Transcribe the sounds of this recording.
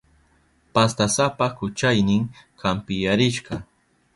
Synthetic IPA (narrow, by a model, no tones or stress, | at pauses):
past̪asapakʊt͡ʃajnɪŋkʰampɪjaɾɪʃɢɑ